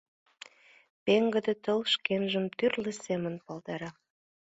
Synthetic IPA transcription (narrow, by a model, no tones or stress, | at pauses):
peŋɡə̆d̪ĕt̪əlʃkenʒəmt̪yrlesemənpɑlt̪ɑɾɑ